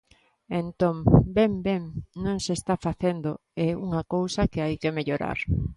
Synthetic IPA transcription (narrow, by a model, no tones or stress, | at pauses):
ent̪õŋbembeŋnõŋsest̪afaθend̪o | ɛuŋɐkowsɐkeajkemeʎoɾa̰ɾ